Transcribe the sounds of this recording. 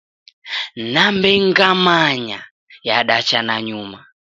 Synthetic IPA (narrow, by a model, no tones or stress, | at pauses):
nambɛŋɡamaɲa | jaɗat͡ʃanaɲuma